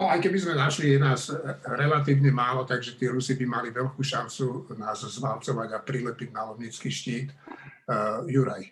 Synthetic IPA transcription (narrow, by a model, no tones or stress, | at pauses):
nɔajkɛbizmɛnaʃlijɛnaːzɾɛlat̪̬iːʋɲɛmaːlɔt̪aɡʒɛt̪ɪɛɾusibimaliʋɛʎkuːʃant͡sunaːzzmalt͡sɔʋaɟapɾilɛpiɟnalɔmɲit͡skiːʃciːt̪ | juɾaj